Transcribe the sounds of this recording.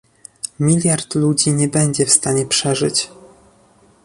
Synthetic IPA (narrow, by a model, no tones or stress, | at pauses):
mʲilʲjaɾt̪lud͡ʑiɲɛbɛɲd͡ʑɛfst̪aɲɛpʂɛʐɘt͡ɕ